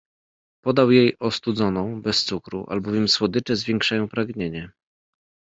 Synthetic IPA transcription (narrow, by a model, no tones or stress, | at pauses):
pɔd̪awjejɔst̪ud̪zɔnɔ̃w̃bɛst̪sukɾṵʔa̰lbɔvʲjɛmswɔd̪ɘt͡ʂɛzvʲjeŋkʂajɔ̃w̃pɾaɡɲeɲɛ